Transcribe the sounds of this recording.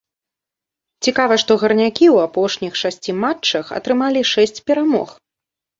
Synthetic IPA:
t͡sʲikavɐʂt̪ɔɣɐrnʲakʲiwapɔʂnʲixʂasʲt͡sʲimat͡ʂːɐxɐ̰t̪ɾɨmalʲiʂɛsʲt͡sʲpʲɛɾamɔ̰x

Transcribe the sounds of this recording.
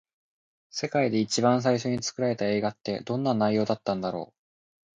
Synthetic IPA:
se̞kaid̪e̞it͡ɕibãɰ̃s̬aiɕo̞ɲ̟it͡sɨ̥kɯ̟ɾaɾe̞t̪ae̞ːɡat̪ːe̞d̪õ̞nːanaijo̞ːd̪at̪ːãnd̪aɾo̞̰ː

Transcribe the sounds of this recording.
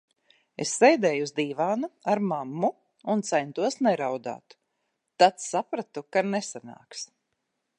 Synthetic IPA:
esːɛjd̪ɛːjuzd̪iːvaːnaaɾmamːu | unt̪sɛjnt̪uɔsnɛɾawd̪a̰ːt̪ː | at̪sapɾat̪ukanesana̰ːks

